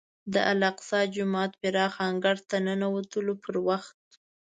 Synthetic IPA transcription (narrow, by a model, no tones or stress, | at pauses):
d̪əʔalaqsɑd͡ʒʊmɑt̪̚bɪɾɑxɑŋɡaɾt̪anənawat̪əlopʰəɾwaxt̪̚